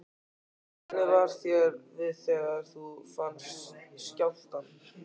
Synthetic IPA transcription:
tnɛvaɾ̥θjɛɾvɪðθɛːɣaɾ̥θufansiscawl̥t̪an

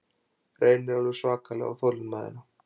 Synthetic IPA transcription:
rʔeːjnɪɾɛɾʏsvaːkalɛ̰ɣa̰wθolʏnmaːðɪ̰na

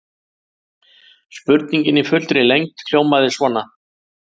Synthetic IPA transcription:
spʏɾt̪niɲcɪnːɪfʏlt̪ɾɪlejŋt̪kʰl̥joːwmaðɪsvɔːnːa

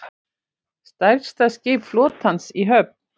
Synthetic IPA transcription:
st̪ajɾst̪aðscɪːpflɔːt̪hansiɦœp̚n̥

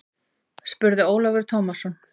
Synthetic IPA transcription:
spʏɾðɪoːwlavɛɾ̥t̪ʰoːwmasɔn

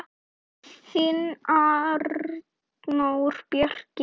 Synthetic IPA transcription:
sinaɾ | nowɾ̥pjœr̥c

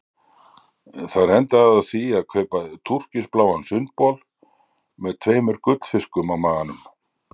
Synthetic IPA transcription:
θaðɾɛnt̪aðaθiaðkʰœːɥpaðt̪ʰur̥cɪsplaːwansʏnt̪̚pɔl | mɛðt̪ʰveːjmʏɾ̥kʏt̪l̥fɪskʏmawmaːɣanʏm

